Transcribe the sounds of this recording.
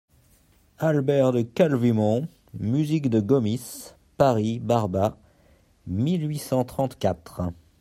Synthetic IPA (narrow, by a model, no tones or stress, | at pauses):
albɛʁd̪əkalvimɔ̃ | myzikd̪əɡɔmis | paʁibaʁba | milɥisɑ̃t̪χɑ̃t̪kat̪χ